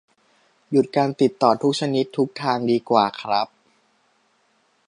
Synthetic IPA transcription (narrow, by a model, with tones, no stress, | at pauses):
ju˨˩t̪̚kaː˧nt̪i˨˩t̪ːɔː˨˩t̪ʰu˦˥k̚t͡ɕʰa˧ni˦˥t̪ʰːu˦˥k̚t̪ʰaː˧ŋdiː˧kwaː˨˩kʰɾa˦˥p̚